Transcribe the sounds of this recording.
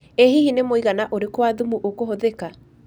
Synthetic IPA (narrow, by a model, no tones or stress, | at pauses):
eɦihinemoiɣanaʔoɾekwaðumuʔokoɦoðeka